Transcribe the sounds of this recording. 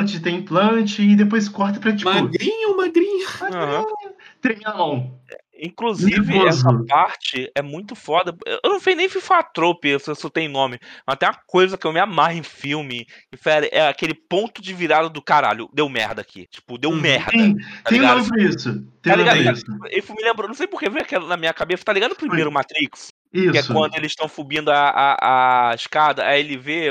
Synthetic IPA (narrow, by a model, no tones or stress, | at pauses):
t͡ʃɪt̪ẽj̃plɐ̃t͡ʃɪːd̪epojskɔɾt̪ɐpɾɐt͡ʃimaʊɡɾĩɲʊmaɡɾĩɲʊmaɡãhĩɲʊt̪ẽmĩɲɐmɐ̃w̃ɛ̰ | ĩkluzivɪoɛsɐʊpaɾt͡ʃɪɛmũj̃t̪ʊfɔd̪ɐḛwʔewnɐ̃w̃fejnẽj̃fifat̪ɾopɪewsesot̪ẽj̃nõmɪmɐst̪ẽjw̃ɐkojzɐkɪewmɪamaɦẽj̃fiwmɪɪfɛleʔɛakelɪpõnt̪ʊd͡ʒɪviɾad̪ɐd̪ʊkaɾa̰ʎʊ̰d̪ewmɛ̰hd̪ɐːkʰḭt͡ʃi̥pʊd̪ewmɛhd̪siɐ̃t̪aẽlĩɡadõmisʊt̪ẽalliɡad̪iiewfumɪlẽmbɾonɐ̃w̃sejp̬okevẽjakɛlɐnɐmiɲɐkabesɐt̪aliɡad̪ʊpɾimejɾʊmat̪ɾiks | iskɪɛʊkwɐ̃nd̪ʊelɪsʃt̪ɐ̃w̃fubĩnd̪ʊaʔaaɪʃkad̪ɐaelɪve